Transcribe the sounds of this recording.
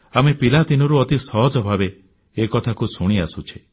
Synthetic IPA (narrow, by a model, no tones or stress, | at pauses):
amepilat̪inɔɾuɔt̪isɔɦɔd͡ʒɔbʱabeː | kɔt̪ʰakusuɽ̃iasut͡ʃʰi̥